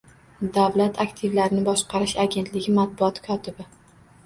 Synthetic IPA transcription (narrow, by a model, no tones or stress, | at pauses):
d̪avlat̪ʰakt̪ʰɪvlaɾɪnɪbɒʃqɑɾɪʃaɡʲe̞nt̪lɪɡʲɪmat̪̚bʊɒt̪kʰɒt̪ʰɪbɪ